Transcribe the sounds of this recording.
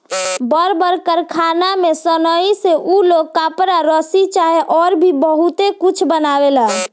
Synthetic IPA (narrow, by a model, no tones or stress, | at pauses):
bəɾbəɾkəɾkʰanamesənəiseʔuloɡ̚kapɾaɾəsit͡ʃaɦeʔɔɾbʱibəɦut̪ekut͡ʃʰbənabela